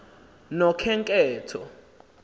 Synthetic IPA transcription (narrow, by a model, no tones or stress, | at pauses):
nɔkʰɛŋkʼɛːtʰɔ